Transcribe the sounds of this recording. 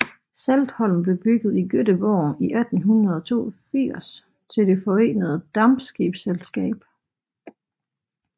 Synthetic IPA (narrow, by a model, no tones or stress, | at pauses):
sæld̥hɒ̽l̰m̩b̥le̝b̥yɡ̥ð̞̩ˠiɡ̥ød̥əb̥ɒ̰ːiʔæd̥n̩ɦunɐð̞ˠɒ̽t͡sʰo̝̰ːɐfiɐ̰s | t͡sʰe̝ld̥e̝fɒ̽e̝̰ːnəð̞̩ˠd̥ɑm̥sɡ̥ib̥selsɡ̥ɛ̰ːb̥